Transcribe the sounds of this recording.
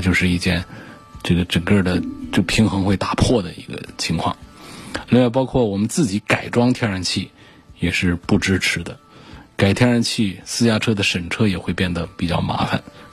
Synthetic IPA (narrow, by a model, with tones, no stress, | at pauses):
t͡ɕjo˥˧ʊʂɻ̩˥˧i˥˩t͡ɕjɛ˥˧n | ʈ͡ʂɤ˥˩ɡə˩ʈ͡ʂə˨˩ŋkə˥˧˩d̪ə˩t͡ɕjo˥˩ʊpʰi˧˥ŋxɤ˧˥ŋxwe˥˩ɪt̪ḁ˨˩pʰwɔ˥˩d̪ə˩ḭ˧˥ɡə̰˧t͡ɕʰi˧˥ŋkʰwɑ̰˥˩ŋli˥˧ŋwa˥˩ɪp̬ɑ˥ʊkʰwɔ˥˩wɔ˨˩mə˦nt͡sɹ̩˥˩t͡ɕi˧˥ka˨˩ɪʈ͡ʂwɑ˥ŋt̪ʰjɛ˥nɻa˧˥nt͡ɕʰi˥˩ | jɛ˨˩ʂɻ̩˥˧pu˥˩ʈ͡ʂɻ̩˥ʈ͡ʂʰɻ̩˧˥d̪ə˧˨ka˨˩ɪt̪ʰjɛ˥nɻa˧˥nt͡ɕʰi˥˩sɹ̩˥t͡ɕja˥ʈ͡ʂʰɤ˥d̪ə˨ʂə˨˩nʈ͡ʂʰɤ˥jɛ˨˩xwe˥˧ɪpjɛ˥˩nd̪ə˩pi˨˩t͡ɕjɑ˥˩ʊma̰˧˥fa̰˨˩n